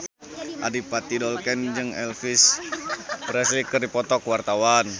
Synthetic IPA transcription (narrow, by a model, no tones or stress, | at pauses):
ʔa̰dipat̪idɔlkɛnd͡ʒɨŋɛlfis | bɾɛslikərdipɔt̪ɔkwart̪awan